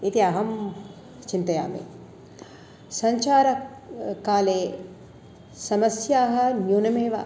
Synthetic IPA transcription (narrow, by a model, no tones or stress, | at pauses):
it̪iɐɦɐm | t͡ʃint̪ɐja̰ːmḛ | sɐɲt͡ʃaːɾɐ | kaːleː | sɐmɐsjaːɦɐ̆njuːnɐmeːʋɐ̰